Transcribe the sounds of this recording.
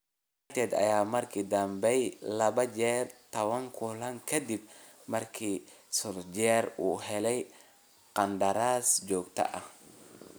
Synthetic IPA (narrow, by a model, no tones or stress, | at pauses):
at̪ʰɛːd̪ɐ̰jaːmɐrkʰiːd̪ɐmbɛjlɐβɐd͡ʒɛːrt̪ʰɐwɐŋkʰʊlɐŋkʰɐd̪ib̚ | mɐrkʰiːsʊɾd͡ʒɛɾuːɦɛlɛj | qɐnd̪ɐɾaːsd͡ʒɔːɡt̪ʰɐ̰ʔɐh